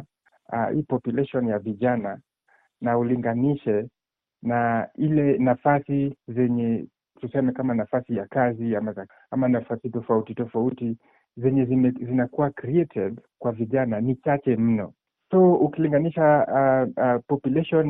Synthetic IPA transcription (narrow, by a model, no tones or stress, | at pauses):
a̰hḭːpɔpjulɛʃɔnjaviʄana | nauliŋɡaniʃɛ | nailɛnafasizɛɲɛ | tusɛmɛkamanafasijakaziamaza | amanafasitɔfautitɔfauti | zɛɲɛziɛzinakuwakɾiɛtʰɛdkwaviʄananit͡ʃat͡ʃɛm̩nɔ̰ | sɔukiliŋɡaniʃa | pɔpulɛʃɔn